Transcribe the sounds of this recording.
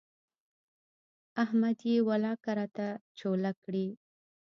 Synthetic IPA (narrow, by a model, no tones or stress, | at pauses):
ahmad̪jewalɑkaɾat̪at͡ʃolakɽi